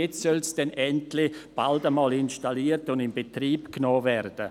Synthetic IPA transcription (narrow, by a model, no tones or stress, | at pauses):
et͡ssœlsd̥ɛnɛntlɪb̥aldəmɑːlɪnʃtaliːərtʊndɪmbetriːpknoːvɛrd̥ə